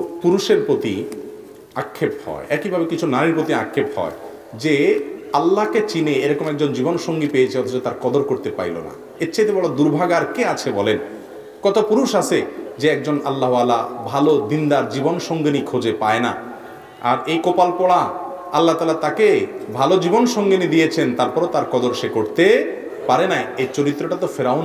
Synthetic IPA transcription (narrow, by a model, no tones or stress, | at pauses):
puɾuʃeɾpɾot̪i | akʰːephɔ̰eʔɛkibʱabekit͡ɕʰunaɾiɾpɾot̪ia̰kʰːephɔ̰e | d͡ʑealːaket͡ɕineeɾɔkomɛk̚d͡ʑond͡ʑibonʃoŋɡipejet͡ɕʰeɔt̪ʰot͡ɕot̪aɾkɔd̪oɾkoɾt̪epa̰ilo̰na̰ | etːɕʰajt̪ebɔɽod̪uɾbʱaɡaɾkeat͡ɕʰebɔlen | kɔt̪ʰopuɾuʃat͡ɕʰed͡ʑeɛk̚d͡ʑonalːaɦalabʱalod̪ind̪aɾd͡ʑibonʃoŋɡenikʰod͡ʑepaena̰ | a̰ɾejkopalpɔɽa | alːat̪aːlaɾt̪akebʱalod͡ʑibonʃoŋɡenid̪ijet͡ɕʰent̪aɾpɔɾot̪aɾkɔd̪oɾʃekoɾt̪e | paɾenaet͡ɕoɾit̪ːɾoʈat̪ofeɾaon